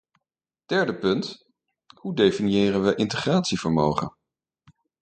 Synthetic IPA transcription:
d̥ɛɹdəpɵnt | hudejfinjɪːrənʋəʔɪntəχraːtsivəɹmowχə̰n

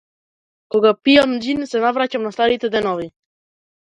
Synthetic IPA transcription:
koɡapiamd͡ʒinsɛnavɾacamnast̪aɾit̪ɛd̪ɛnɔvi

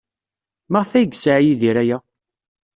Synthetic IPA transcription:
məʁθæjɡsaʕjiðiɾæjæ

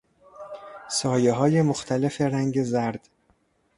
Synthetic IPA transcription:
sɒːjeɦɒːjemoxt̪ʰæle̞fe̞ɾæŋɟezæɾd̪̥

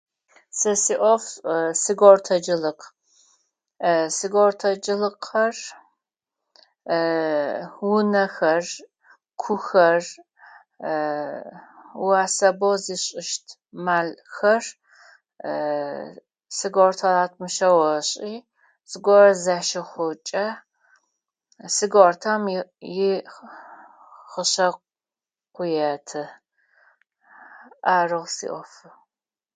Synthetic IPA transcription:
sɐsiːʔʷɔfsɨɡortʰɐd͡ʒɪlɨq | sɨɡortʰɐd͡ʒɪlɨqʰɐr | wʊnɐxɐr | kʷʰʊxɐr | waːsɐboziɕʼɪʃtʰ | maːlxɐr | sɨɡortʰɐlaːtʰmɨʃɐwɐɕʼiː | sɨɡʷɔrɐzaʃɐχʷʊt͡ʃʼɐ | sɨɡortʰamjɪ | χəɕɐ | qʷʊjɐtʰɨ | aːrɨʁsḭʔʷɔfɨ

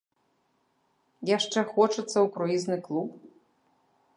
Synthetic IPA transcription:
jaʂt͡ʂɛxɔt͡ʂɐt̪sːɐukɾɔiznɨklˠup

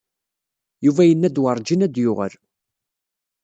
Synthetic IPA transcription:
juvæjənːæd̪wəɾˤd͡ʒinæd̪jʊʁə̰l

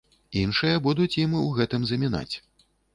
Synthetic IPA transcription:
inʂɨjɐbud̪ut͡sʲjimuɣɛt̪ɨmzɐmʲina̰t͡sʲ

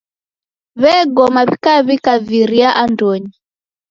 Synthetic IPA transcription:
βɛɡɔmaβikaβikaviɾiaʔandɔɲi

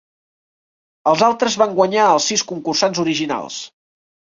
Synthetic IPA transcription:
əlˠzalˠt̪ɾəzβaŋɡwəɲaəlˠsːiskuŋkursanzuɾiʒina̰lˠs

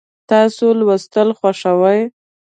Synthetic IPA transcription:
t̪ɑsolwəst̪əlxwaʂawaj

